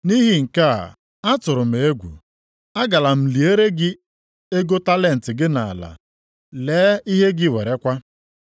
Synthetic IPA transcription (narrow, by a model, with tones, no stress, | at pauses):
ni˦ɦi˦ŋ̩˨ka˦a̰˨ | a˦tʊ˨ɾʊ˨m̩˨e˦ɡʷṵ˨ | a˦ɡa˨la˨m̩˨li˨e˦ɾe˦ɡɪ˦ | e˦ɡo˦ta˦le˨n̩˨tɪ˨ɡɪ˦na˨a̰˨la̰˨ | leː˨˦i˦ɦe˦ɡɪ˦˨we˨ɾe˦kʷa˦